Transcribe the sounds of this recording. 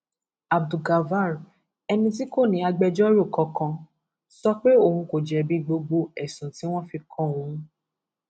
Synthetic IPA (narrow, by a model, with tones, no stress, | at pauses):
a˨b̚du˨ɡa˨va˦˨ɾ | ɛ˧nĩ˧t̬i˦ko˦˨nĩ˨˧a˧ɡ͡bɛ˧d͡ʒɔ˦ɾo˦˨kɔ˧kã˧ | sɔ˦k͡pe˦o˦˨hũ˧ko˨d͡ʒɛ˨bi˦ɡ͡bo˧ɡ͡bo˧ɛ˨sũ˨ti˨˦w̃ɔ̃˦fi˧kʰɔ̃˦˨w̃ũ˨˦